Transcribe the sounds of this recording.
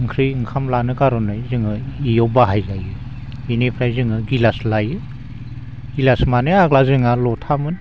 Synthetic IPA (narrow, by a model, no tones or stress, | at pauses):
ɯŋkʰɾɯjɯŋkʰamlanɯkaɾɔnɯjzɯŋɯijɔbaɦajzajɯ | inepʰɾajzɯŋɯɡilaslajɯ | ɡilasmanɯaɡlazɯŋalɔtʰamɯn